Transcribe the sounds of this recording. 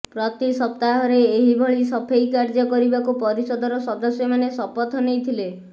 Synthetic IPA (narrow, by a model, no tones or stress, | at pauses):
pɾɔt̪isɔpt̪aɦɔɾeːɦibʱɔɭisɔpʰejkaɾd͡ʒɔkɔɾibakupɔɾisɔd̪ʱɔɾɔsɔd̪ɔsjɔmanesɔpɔt̪ʰɔnejt̪ʰile